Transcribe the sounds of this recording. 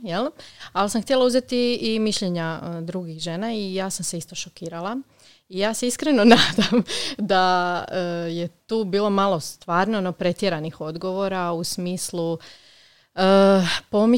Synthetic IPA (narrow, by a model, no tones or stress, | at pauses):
jelalsamxt̪jelˠauzet̪iːmiʃʎeɲad̪ɾuɡixʒeːnaijaːsamse̞ist̪o̞ʃokiːɾalˠa | ijaːse̞iskɾeno̞naːd̪amd̪aəje̞t̪uːbiːlˠo̞malost̪ʋaːɾnonopɾe̞t̪jeɾanixo̞d̪ɡo̞ʋo̞ɾausmiːslu | əːpo̞mi